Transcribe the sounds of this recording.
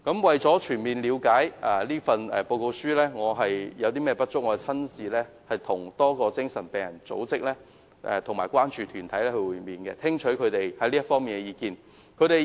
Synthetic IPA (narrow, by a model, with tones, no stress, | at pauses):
kɐ˨˥mwɐ˨jt͡sɔː˨˥t͡ʃʰyː˨˩nmiː˨nliː˨˧wkaː˨˥jɛ˨˧liː˥fɐ˧nɛ̰˨˧po˧wko˧wsyː˥lɛː˥ŋɔː˨˧ɦɐ˨jjɐ˨˧wt̪iː˥mɛː˥pɐ˥t̚t͡ʃʊ˥k̚ŋɔː˨˧ɛ˧t͡sʰɐ˥nsiː˨˧lɛː˥ | hɐ˨jt̪ʰʊ˨˩ŋt̪ɔː˥kɔː˧t͡sɪ˥ŋsɐ˨˩npɛː˨˩ŋjɐ˨˩nt͡so̰˨˥wt͡sɪ˥k̚lɛː˥ | ʔɛ̰˨˧t̪ʰʊ˨˩ŋmaː˨˩jkwaː˥nt͡ʃyː˨t̪ʰyː˨˩nt̪ʰɐ˨˥jlɛː˥hɵ˧wu˨˧miː˨nkɛ̰˧t̪ʰɪ˥ŋt͡ʃʰɵ˨˥kʰɵ˨˧ɥt̪e˨jhɐ˨˥jliː˥ɐ˥tfɔː˥ŋmiː˨nkɛ˧jiː˧kiː˧n | kʰɵ˨˧ɥt̪e˨